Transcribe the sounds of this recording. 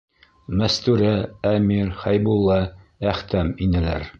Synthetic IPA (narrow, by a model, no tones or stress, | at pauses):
mæst̪ʉɾææmiɾχæjbulˠːɑ | æχt̪æminɘ̆læ̰ɾ